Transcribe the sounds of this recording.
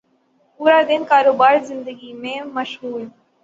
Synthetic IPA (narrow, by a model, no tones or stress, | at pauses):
puːɾaːd̪ɪnkaːɾoːbaːɾzɪ̃nd̪əɡiːmẽːməʃɦuːl